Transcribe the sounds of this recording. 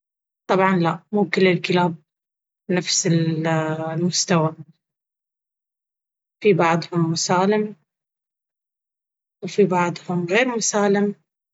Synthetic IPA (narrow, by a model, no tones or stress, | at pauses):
t̪ˤɑbʕɑnlaʔmuːkɪlːɪlkɪlaːb̚ | nafsɪ | lmʊst̪awa | fibɑʕd̪ˤhʊmːʊsaːlɪm | wfibɑʕd̪ˤhʊmɣeːɾmʊsaːlɪm